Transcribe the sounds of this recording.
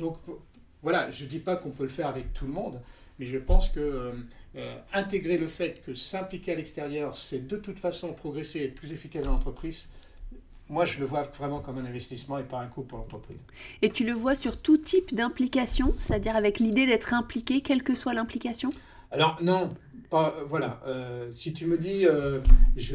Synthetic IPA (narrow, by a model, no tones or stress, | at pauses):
d̪ɔ̃k | vwalaʒəd̪ipakɔ̃pøləfɛʁavɛk̚t̪ʰulmɔ̃d̪ | mɛʒəpɑ̃skə | øɛ̃t̪eɡʁeləfɛt̪kʰəsɛ̃plikʲealɛkst̪eʁjœʁsɛd̪ət̪ut̪fasɔ̃pχɔɡʁeseɛplyzefikasd̪ɑ̃lɑ̃t̪χəpχiz | mwaʒələvwavʁɛmɑ̃kɔmɛ̃nɛ̃vɛst̪ismɑ̃epaɛ̃kupuʁlɑ̃t̪χəpχḭːz | et̪yləvwasyʁt̪ut̪ʰipd̪ɛ̃plikasjɔ̃se̥t̪ad̪iʁavɛklid̪ed̪ɛt̪χɛ̃plikʲekʲɛlkəswalɛ̃plikasjɔ̃ | alɔʁnɔ̃ | pavwalaøsit̪yməd̪iøʒə